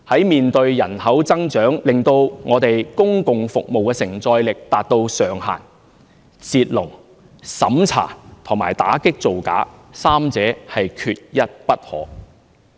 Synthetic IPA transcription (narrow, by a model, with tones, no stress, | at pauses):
hɐ˨˥jmiː˨nt̪ɵ˧ɥjɐ˨˩nhɐ˨˥wt͡sɐ˥ŋt͡ʃœː˨˥ŋlɪ˨ŋt̪o˧wŋɔː˨˧t̪e˨jkʊ˥ŋkʊ˨ŋfʊ˨k̚mo˨wkɛː˧sɪ˨˩ŋt͡sɔː˧jlɪ˨k̚t̪aː˨t̚t̪o˧wsœː˨˩ŋɦa̰ː˨˩n | t͡siː˧t̚lʊ˨˩ŋ | sɐ˨˥mt͡sʰa̰ː˨˩t̪ʰʊ˨˩ŋmaː˨˩jt̪a̰ː˨˥kɪ˥k̚t͡so˨wka̰ː˨˥saː˥mt͡sɛː˨˥hɐ˨jkʰyː˧t̚jɐ˥t̚pɐ˥t̚hɔ̰ː˨˥